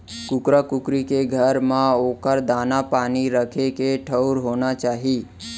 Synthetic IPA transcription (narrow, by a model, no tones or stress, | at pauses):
kʊkɾakʊkɾikeɡʱəɾmãoːkəɾd̪aːnapaːniɾəkʰekeʈʰəʊɾɦoːnat͡ʃaːɦiː